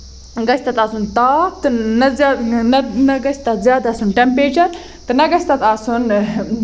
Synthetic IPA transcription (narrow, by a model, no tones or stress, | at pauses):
ɡɐsʰʲt̪ɐt̪aːsunt̪aːt̪ɨnɐzaːnɐnɐɡɐsʲt̪ɐzjaːd̪ɐsunʈempɾeːt͡ʃɐɾ | t̪ɨnɐɡɐsʲt̪ɐt̪aːsun